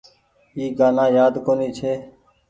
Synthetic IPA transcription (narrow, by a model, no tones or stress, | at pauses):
iːɡaːnãːjaːd̪koːniːt͡ʃʰeː